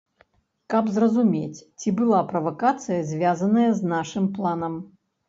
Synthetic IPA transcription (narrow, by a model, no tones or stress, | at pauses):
kɐbzrɐzumʲet͡sʲt͡sʲibɨlˠapɾɐvɐkat̪sɨjɐzʲvʲazɐnɐjɐznaʂɨmplˠanɐm